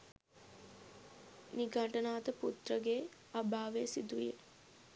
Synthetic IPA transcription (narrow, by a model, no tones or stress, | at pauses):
niɡʱaʈənaːt̪əput̪rəɡeː | abaːʋesid̪ujḛ